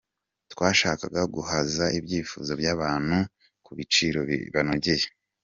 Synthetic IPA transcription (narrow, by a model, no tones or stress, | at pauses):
twaːʃaːkaɡaɡuhazaibɟiːfṵːzo̞bjaːβaːn̥hu | kuβit͡ʃiːɾo̞̰βanoɟeje